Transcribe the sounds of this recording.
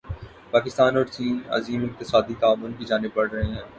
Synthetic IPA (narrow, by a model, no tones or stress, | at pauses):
paːkɪst̪aːnɔːɾt͡ʃiːnɐ̰ziːmɪq̚t̪ɪsaːd̪it̪aːʋʊnkid͡ʒaːnɪb̚pɐɽɾɐɦeɦɛ̃ː